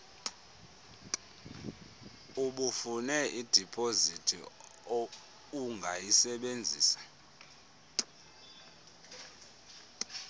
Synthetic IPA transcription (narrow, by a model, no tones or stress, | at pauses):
uɓufunɛʔid̥ʱipʰʼozitʰḭ | uŋɡʱajisɛɓend͡zʱiːsḁ